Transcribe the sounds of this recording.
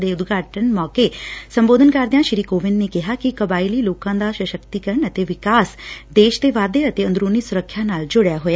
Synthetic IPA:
d̪eʊd̪ɡʱaːʈənmɔːkesə̃mboːd̪ʱənkaːɾd̪jãʃɪɾiːkoːʋɪnːekɪɦakikɐbaːɪliloːkãnd̪aʃəʃəkt̪ikəɾəɳɐt̪eʋɪkaːsd̪eːʃt̪eʋaːd̪eɐt̪eɐ̃nd̪ɾoːnisʊɾəkʰːjanaːld͡ʒʊɽjaɦoja

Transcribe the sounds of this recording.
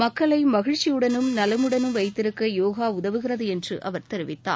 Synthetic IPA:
mɐkːɐɭɐɪmɐɣɪɻt͡ʃːijɯɽɐnɯmnɐlɐmɯɽɐnɯmʋɐɪt̪ːɪɾɯkːɐjoːɣaːʊðɐʋɯɣɪrɐðɯɛndrɯʔɐʋɐɾt̪ɛɾɪʋɪt̪ːa̰ː

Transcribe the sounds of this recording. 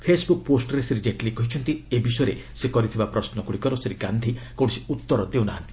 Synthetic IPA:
pʰesbuk̚posʈɔɾesiɾid͡ʒeʈlikːɔɦit͡ʃʰɔnt̪iebisɔjɾesekɔɾit̪ʰibapɾɔsnɔkuɽikɔɾoseɾikand̪ʱikow̃siut̪ːɔɾɔd̪ewnaɦãnt̪i̥

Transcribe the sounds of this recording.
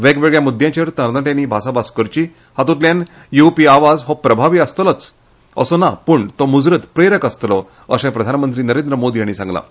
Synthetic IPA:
ʋeɡʋeɡjamud̪ʱjãt͡ɕəɾt̪əɾd̪əʈjãniːbʱasabaskəɾt͡ɕiː | hat̪ũt̪ljan | jupiaʋad͡zɦɔpɾəbʱaʋiːəst̪lət͡s | ə̰sɔnapəːɳt̪ɔmud͡zɾət̪pɾeɾəkəst̪lɔ | əsɛ̃pɾəd̪ʱanmənt̪ɾiːnəɾend̪ɾəmod̪ijaɽ̃iːsãŋɡla̰

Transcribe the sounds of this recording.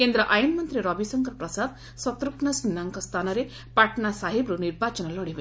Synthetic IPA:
kend̪ɾɔʔajunmɔnt̪ɾiɾɔbisɔŋkɔɾpɾɔsad̪ | sɔt̪ɾuknasinːaŋkɔst̪ʰanɔɾe | paʈnasaɦibɾuniɾbʱat͡ʃɔnɔlɔɽibe

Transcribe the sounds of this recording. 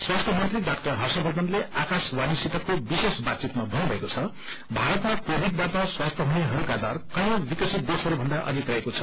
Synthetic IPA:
swast̪ʰʌmʌnt̪riɖakt̪ʌrɦʌrsʌbʱʌd̪ʌnleʔakaswanisit̪ʌkobisesbat̪t͡sit̪mabʱʌnubʱʌekot͡sʰʌ | bʱaɾʌt̪mapobiʈ̚d̪at̪aswast̪ʰʌɦuneɦʌɾukad̪arkʌjõbikʌsit̪̚d̪esʌɾubʱʌnd̪aʔʌ̰d̪ʱik̪rʌekot͡sʰʌ̥

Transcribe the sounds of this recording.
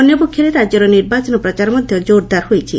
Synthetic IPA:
ɔnjɔpokʰjoɾet̪ad͡ʒɔɾɔniɾbat͡ɕɔnɔpɾɔt͡ʃaɾɔmɔd̪ʱjɔd͡ʒoɾd̪aɾhojt͡ɕʰḭ

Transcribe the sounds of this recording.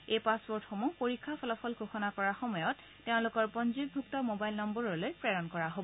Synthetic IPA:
ejpaspɔɹtxomupoɹikʰːapʰɔlɔpʰɔlɡʱoxɔnakɔɹaxɔmɔjɔt | teʊ̃lʊkɔɹpɔnzibbʱuk̚tɔmobajlnɔmbɔɹɔlojpɹɛɹɔnkɔɹaɦobɔ

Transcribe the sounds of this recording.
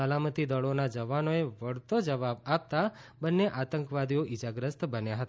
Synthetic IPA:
əlamət̪id̪əɭonad͡ʒəʋanoeʋəɽt̪od͡ʒəʋabap̚t̪abənːeʔat̪əŋkʋad̪ijoʔid͡ʒaɡɾəst̪bənjaɦət̪a

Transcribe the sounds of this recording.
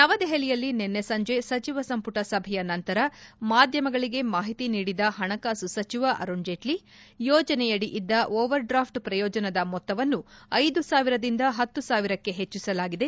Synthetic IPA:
nɐʋɐd̪ɛɦɐlijɐlːinenːesɐɲd͡ʒe̞sɐt͡ʃiʋɐsɐmpuʈɐsɐbʱɛjɐnɐnt̪ɐɾɐmaːd̪ʱjɐmɐɡɐɭiɡe̞maːɦit̪iniːɽid̪ɐɦɐɳɐkaːsusɐt͡ʃiʋɐʔɐ̰ɾoɲd͡ʒeʈli | jɔːd͡ʒɐnɛjɐɽiʔid̪ːɐʔɔːʋɐɾɖɾaːpʰʈpɾɐjɔːd͡ʒɐnɐd̪ɐmɔt̪ːɐʋɐnːuɐjd̪usaːʋiɾɐd̪ind̪ɐɦɐt̪ːusaːʋiɾɐkːe̞ɦet͡ʃːisɐlaːɡid̪e̞

